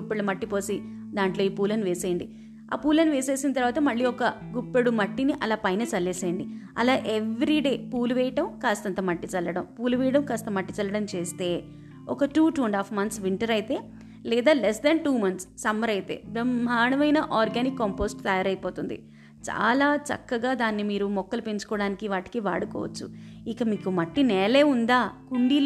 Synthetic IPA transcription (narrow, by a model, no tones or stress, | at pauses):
upːeɽumɐʈːipo̞ːsid̪aːɳʈlo̞ːiːpuːlɐnʋeːsejɐɳɖi | a̰ːpuːlɐnʋeːse̞ːsinɐt̪ɐɾʋaːt̪ɐmɐɭːiːɔkɐɡupːeɽumɐʈːiniʔɐlaːpɐjneːt͡ʃɐlːeːseːjɐɳɖiɐ̰laːʔeʋɾiɖe̞ːpuːluʋɛːjɐʈɐmkaːst̪ɐnt̪ɐmɐʈːit͡ʃɐlːɐɽɐmpuːluʋɛːjɐʈɐmkaːst̪ɐmɐʈːit͡ʃɐlːɐɽɐmt͡ʃe̞ːst̪e̞ː | ɔ̰kɐʈuːʈuːɐɳɖaːfʰmɐnt̪sʋiɳʈɐɾɐjt̪e̞ː | lɛːd̪aːlesd̪ɐnʈuːmɐnt̪sɐmːɐɾɐjt̪e̞̰ːbɾɐmaːɳɐʋɐjnɐʔaːɾɡaːnikːɐmpo̞ːsʈt̪ɐjaːɾɐjpoːt̪und̪ḭ | t͡ʃa̰ːlaːt͡ʃɐ̰kːɐɡaːd̪aːnːimiːɾumɔkːɐlupeɲt͡ʃu̥kɔːɽaːnikiʋaːʈi̥kiʋa̰ːɽukɔ̰ːʋɐ̰t͡ʃːṵikɐmiːkumɐʈːinɛːleːund̪aːkuɳɖiːl